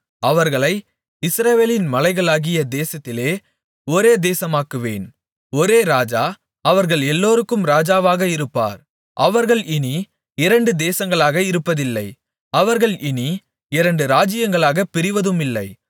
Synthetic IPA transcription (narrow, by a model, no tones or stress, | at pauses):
ɐʋɐɾɣɐɭɐɪ | ɪsɾɐʋeːlɪnmɐlɐɪɣɐɭaːɣɪjɐd̪eːsɐt̪ːɪleː | ɔɾeːd̪eːsɐmaːkɯʋḛːn | ɔɾeːɾaːd͡ʒaː | ɐʋɐɾɣɐɭɛlːoːɾɯkːɯmɾaːd͡ʒaːʋaːɣɐɪɾɯpːa̰ːɾ | ʔɐʋɐɾɣɐɭɪni | ɪɾɐɳɖɯd̪eːsɐŋɡɐɭaːɣɐɪɾɯpːɐðɪlːɐɪ | ɐʋɐɾɣɐɭɪni | ɪɾɐɳɖɯɾaːd͡ʒɪjɐŋɡɐɭaːɣɐpɪɾɪʋɐðɯmɪlːɐ̰ɪ